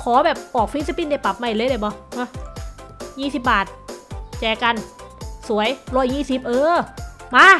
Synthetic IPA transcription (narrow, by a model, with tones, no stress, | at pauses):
kʰɔː˩˦bɛː˨˩p̚ʔɔː˨˩k̚fi˦˥t̪̚sa˧pi˧˥nda˧˩jpa˨˩p̚ma˧˩lɤː˧˥˨da˧˩jbɔː˧˦ʔa˧˩ | jiː˧˩si˨˩p̚baː˨˩t̪̚t͡ɕɛː˧˩ka˧˩nsu˩˦əjlɔː˧˩jɲiː˧˥˩si˨˩p̚ʔɤː˧maː˧˥˩